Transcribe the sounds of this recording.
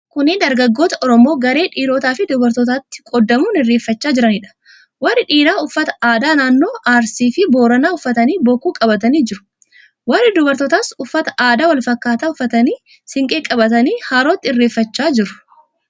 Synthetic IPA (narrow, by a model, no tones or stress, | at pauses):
kʊnɪd̪ɐɾɡɐɡːo̞ːt̪ɐʔɔɾɔmo̞ːɡɐɾe̞ːᶑiːɾoːt̪aːfɪd̪ʊbɐɾt̪ɔt̪aːt̪ːɪ̥kʼɔd̪ːɐmuːnɪrːe̞ːfːɐt͡ʃːaːd͡ʒɪɾɐnɪᶑɐ̥ | wɐrːɪᶑiːɾaːʊfːɐt̪ɐ̥aːd̪aːnaːnːo̞ːʔaːɾsiːfɪbo̞ːɾɐnaːʊfːɐt̪ɐniːboːkːuːkʼɐbɐt̪ɐniːd͡ʒɪɾʊ̥ | wɐrːɪd̪ʊbɐɾt̪ɔt̪aːsʊfːɐt̪ɐ̥ʔaːd̪aːwɐlfɐkːaːt̪aːʊfːɐt̪ɐniː | sɪŋkʼeːkʼɐbɐt̪ɐniːhaːɾoːt̪ːɪɪrːe̞ːfːɐt͡ʃːaːd͡ʒɪɾʊ̥